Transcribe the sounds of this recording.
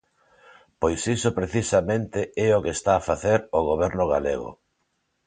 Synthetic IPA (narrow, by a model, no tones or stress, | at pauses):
pojsisopɾeθisamẽnt̪eʔɛokest̪aːfaθeɾoɣ̞oβɛɾnʊɣa̰lḛɣo̰